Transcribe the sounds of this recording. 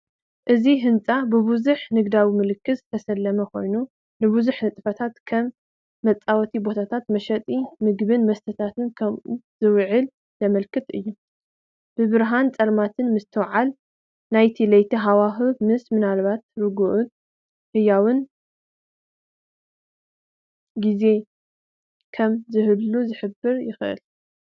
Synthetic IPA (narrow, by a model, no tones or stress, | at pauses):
ʔɨziɦɨnt͡sʼabɨβuzuħnɨɡd̪awimɨlɨkːɨzt̪ʰɐsɐlːɐmɐkʰo̞̰jnu | nɨβuzuħnɨt̪ʼɨfɐt̪ʰat̪kʰɐmː | ɐt͡sʼːawɔt̪ʰibo̞t̪ʰat̪ʰat̪mɐʃɐt̪ʼimɨɡβɨnmɐst̪ʰɐt̪ʰat̪ʰɨnkʰɐmʔuzɨwʕɨl | zɐmɐlkʰɨt̪ʼɨjːu | b̥ɨβɨɾɦant͡sʼɐlmat̪ʰɨnmɨst̪ʰɨwʕal | najt̪ʰilɐjt̪ʰiɦawaxɨmɨsmɨnalβat̪̚ɾɨɡuʔʊt̪ | hɨjawɨn | ɡize̞ | kʰɐmzɨhɨlːuzɨħɨbːɨɾjɪxʔɨ̰l